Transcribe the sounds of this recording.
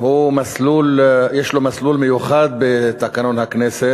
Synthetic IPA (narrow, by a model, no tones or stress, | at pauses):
humasluːljeːʃlomasluːlmɪjuxaːd̪̚bet̪akanonhakneːse